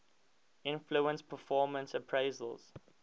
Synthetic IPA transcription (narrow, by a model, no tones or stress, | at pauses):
ɪ̃nfluə̃nspʰəfɔːmə̃nsə̃pʰɹeɪzə̰lz̥